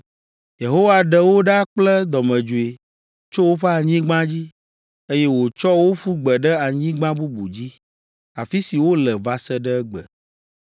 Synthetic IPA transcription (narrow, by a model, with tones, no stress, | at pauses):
je˨ɦo˦wa˨ɖɛ˨wo˦ɖa˦k͡plɛ˦d̪ɔ˨mɛ̃˨d͡ʒu˨e˨ | t͡ʃo˦wo˦ɸe˦a˨ɲĩ˦ɡ͡bã˦d͡ʑi˦ | e˦jɛ˦wo˨t͡ʃɔ˦wo˦ɸu˦ɡ͡bɛ˨ɖɛ˦a˨ɲĩ˦ɡ͡bã˦bu˦bu˨d͡ʑi˦ | a˨fi˦si˨wo˦lɛ˨va˨sɛ˦ɖɛ˦ɛ˦ɡ͡bɛ̰˨